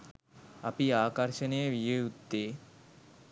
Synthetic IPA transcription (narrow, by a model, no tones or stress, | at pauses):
a̰piaːkaɾʃeneeʋijeut̪ːe